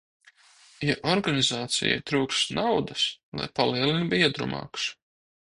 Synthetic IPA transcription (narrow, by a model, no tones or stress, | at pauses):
jaʔɔɾɡanizaːt̪sḭja̰jt̪ɾuːkst̪nawd̪aslˠa̰jpaliɛlinbiɛd̪ɾṵmɑ̰ːks